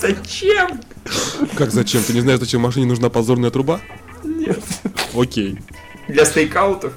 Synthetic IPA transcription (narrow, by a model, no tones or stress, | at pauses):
z̥ɐt͡ɕem | kakzɐt͡ɕemt̪ɨnʲɪznaɪʂzɐt͡ɕemːɐʂ̬ɨnʲɪnʊʐnapɐzo̞rnəjət̪ɾʊba | nʲet̪okʲej | d̪lʲɐst̪əjkaʊt̪əf